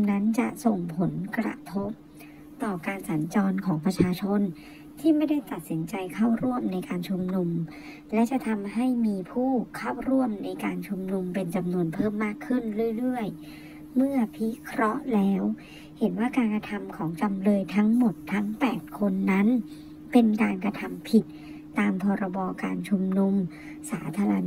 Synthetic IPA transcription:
na˦˥nt͡ɕa˨˩ʔso˨˩ŋpʰo˩˦nkɾa̰˧t̪ʰo˦˥p̚ | t̪ɔː˨˩kaː˧nsa˩˦nt͡ɕɔː˧nkʰɔː˩˦ŋpɾa˧t͡ɕʰaː˧t͡ɕʰo˧n | t̪ʰiː˥˩ma˥˩jda˥˩jt̪a˨˩t̪̚si˩˦nt͡ɕa˧jkʰa˥˩wɾu˥˩əmna˧jkaː˧nt͡ɕʰu˧mnu˧m | lɛ˦˥t͡ɕa˨˩ʔt̪ʰa˧mɦa˥˩jmiː˧pʰuː˥˩kʰaː˥˩wɾu˥˩əmna˧jkaː˧nt͡ɕʰu˧mnu˧mpe˧nt͡ɕa˧mnu˧ənpʰɤː˥˩mːaː˥˩kʰːɯ˥˩nɾɯ˥˩ə˨jɾɯ˥˩əj | mɯ˥˩ɐpʰi˦˥kʰɾɔ˦˥ʔlɛː˦˥w | he˩˦nwaː˥˩kaː˧nka˧t̪ʰa˧mkʰɔː˩˦ŋt͡ɕa˧mlɤː˧jt̪ʰa˦˥ŋmo˨˩t̪ʰːa˦˥ŋpɛː˨˩t̪̚kʰo˧nːa˦˥n | pe˧nkaː˧nkɾa˧t̪ʰa˧mpʰi˨˩t̪̚ː | aː˧mpʰɔː˧ɾa˧bɔː˧kaː˧nt͡ɕʰu˧mnu˧m | saː˩˦t̪ʰaː˧ɾa˧

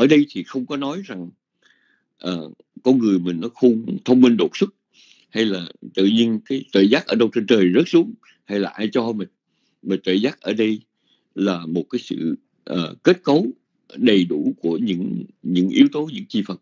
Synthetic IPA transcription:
ʔʔəː˧˩ɗə˧jt̪ʰi˨˩xə˧wŋ͡mkɔ˨˦nɔ˨˦jza˨˩ŋ | ʔəː˨˩ | kɔ˧nŋɨ˨˩əjmï˨˩ŋ̟nɔ˨˦xu˧t̪ʰə˧wŋ͡mmi˧nɗo˨˩t̚sɨ˦˥t̚ | ha˧jlaː˨˩t̪ɨ̰˧˨ɲi˧ənkaː˨˦jt̪ə̰ː˧˩jzaː˦˥t̚ʔəː˧˩ɗə˧wt͡ɕe˧nt͡ɕəː˨˩jzə˦˥t̚su˨˦əŋ͡m | ha˧jlaː˨˩ʔaː˧jt͡ɕɔ˧mï˨˩ŋ̟ | mə˨˩t̪əː˧˨˩jzaː˦˥t̚ʔəː˧˩ɗə˧j | laː˨˩mo˨˩t̚kaː˨˦jsɨ̰˧˨ | ʔəː˨˩ke˦˥t̚ko˨˦w | ɗə˨˩jɗu˧˩ku˧˩əɲɨ̰˧˥ŋɲɨ̰˧˥ŋʔi˨˦əwt̪o˨˦ɲɨ̰˧˥ŋt͡ɕi˧˩fə˨˩t̚

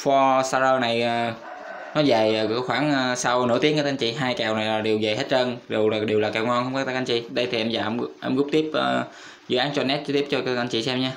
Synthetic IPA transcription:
fɔ˧sa˧zəː˧na˨˩jəː˨˩ | nɔ˨˦za˨˩jəː˨˩kːxwaː˧˩nəː˨sa˧wnɨ̰˧˥t̪i˨˦kaː˧˩ʔŋt͡ɕḭ˧˨ɦaː˧jka˨˩wna˨˩jlaː˨˩ɗi˨˩wzə˨˩jɦe˦˥t̚t͡ɕə˧nɗi˨˩wlaː˨˩ɗi˨˩wlaː˨˩kaː˨˩wŋɔ˧nŋxə˧ŋ͡mkɔː˦˥t̪a˧˦kʔa˧nt͡ɕḭ˧˨ɗə˧jt̪ʰi˨˩ʔɛ˧mzaː˨˩ʔʔɛ˧mɣʊ˦˥k͡p̚t̪i˦˥əp̚ʔəː˨˩ | zɨ̰˧˨ʔaː˨˦nt͡ɕɔ˧nɛ˦˥t̚t͡ɕt̪i˦˥əp̚t͡ɕɔ˧kʔa˧nt͡ɕḭ˧˨sɛ˧mɲaː˧

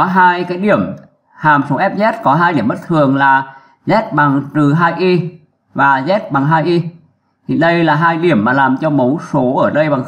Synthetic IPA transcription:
ɔ˨˦ɦaː˧jkaː˨˦jɗi˧˩əm | haː˨˩mso˨˦ʔɛ˦˥p̚zɛ˦˥t̚kɔ˨˦ɦaː˧jɗi˧˩əmɓə˦˥t̚t̪ʰɨ˨˩əŋlaː˨˩ | zɛ˦˥t̚ɓa˨˩ŋt̪ɨ˨˩ɦaː˧jʔi˧ | vaː˨˩zɛ˦˥t̚ɓa˨˩ŋɦaː˧jʔi˧ | t̪ʰi˨˩ɗə˧jlaː˨˩ɦaː˧jɗi˧˩əmːaː˨˩laː˨˩mt͡ɕɔ˧mə˨˦wso˨˦ʔəː˧˩ɗə˧jɓa˨˩ŋ

